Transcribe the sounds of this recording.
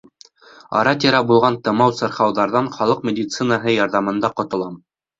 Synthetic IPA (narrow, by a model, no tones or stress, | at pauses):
ɑ̰ɾɑt̪ʲiɾɑbulˠʁɑnt̪ɤ̆mɑwsɤ̆ɾχɑwðɑɾðɑɴχɑlˠɤq̚mʲedʲit̪sɨnəɦɤjɑɾðɑmɤ̆nd̪ɑqŏt̪ŏlˠɑm